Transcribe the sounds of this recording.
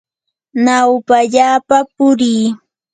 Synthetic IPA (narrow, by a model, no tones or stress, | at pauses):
nawpaʎaːpapʊɾiː